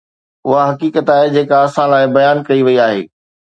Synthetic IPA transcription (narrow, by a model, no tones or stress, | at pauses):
ʊɦaɦɐkiːkət̪aːɦed͡ʑeːkaɐsãlaːɪbɐjaːnkɐiʋɐiaːɦḛː